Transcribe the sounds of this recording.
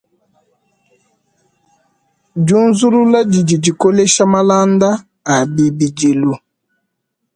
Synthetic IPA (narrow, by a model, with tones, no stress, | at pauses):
d͡ʒu˦n˦zu˦ɾu˦la˦d͡ʒi˨d͡ʒi˨d͡ʒi˨ko˦le˦ʃa˦ma˦la˦nda˦ | a˨bi˨bi˨d͡ʒi˨lu˨